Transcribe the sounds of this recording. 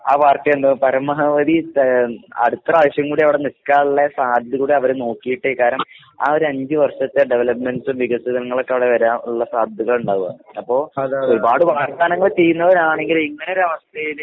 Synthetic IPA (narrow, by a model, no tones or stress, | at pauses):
aːpaːrtːɐjend̪ɐpɐɾɐmɐɦɐʋɐd̪i | ɐ̰ɽut̪ːrɐaːʋɐɕjɐŋkuːɽiɐʋiɽe̞niskːaːɭuɭːɐsaːd̪ʱukuːɽiɐʋɐɾeno̞ːkːijiʈːekaːɾɐm | a̰ːo̞ɾuɐɲd͡ʑɨʋɐrʂɐt̪ːeɖeʋlɐpmensumʋiɡɐsiðɐŋːɐɭo̞kːeɐʋiɽeʋɐɾaːnuɭːɐsaːd̪ʱjuɣɐɭuɳɖaːɣuɣɐ̰ɐpːo̞ːoɾubaːɽɨʋaːrd̪aːnɐŋːɐɭt͡ɕe̞jːunːɐʋɐɾaːɳe̞ŋɡiliŋːɐneoɾɐʋɐst̪ʰɐjil